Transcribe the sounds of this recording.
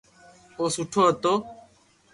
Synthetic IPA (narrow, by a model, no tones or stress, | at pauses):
osuʈʰoːɐt̪o